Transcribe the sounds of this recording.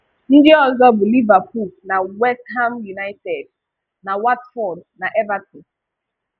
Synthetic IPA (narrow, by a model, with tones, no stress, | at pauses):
n̩˦dɪ˦ɔ˦zɔ˦bu˨li˦va˨p̚u˨lna˨wɛ˦stɦa˦mju˨na˦ɪtɛ˨d | na˨wa˦tfɔ˨dna˨ʔɛ˦va˦tu˨